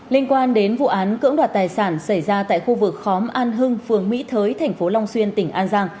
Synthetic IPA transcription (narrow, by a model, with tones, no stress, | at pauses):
li˧ənkwaː˧nɗe˨˦nvṵ˧˨ʔaː˨˦nkɨ̰˧˥ŋɗwaː˨˩t̚t̪aː˨˩jsaː˧˩nsa˧˩jzaː˧t̪a̰ː˧˨jxu˧vɨ˨˩k̚xɔ˨˦mʔaː˧nɦɨ˧ŋfɨ˨˩əŋmḭ˧˥t̪ʰəː˨˦jt̪ʰɛ˨˩jŋ̟fo˨˦la˧wŋ͡mswi˧ənt̪ï˧˩ŋ̟ʔaː˧nzaː˧ŋ